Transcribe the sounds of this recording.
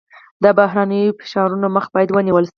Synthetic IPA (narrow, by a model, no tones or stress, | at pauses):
d̪əbaɦɾanəjofɪ̥ʃɑɾunoməxbɑjad̪wəniwəlʃ